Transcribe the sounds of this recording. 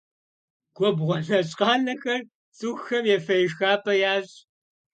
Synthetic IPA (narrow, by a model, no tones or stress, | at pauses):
ɡ̥ʷɔbʁʷɔɬɐɕʼqɑːnɐxɐr | t͡sʼuːxːɐmjɛfɐjɪxaːpʰʼɐjaːɕʼ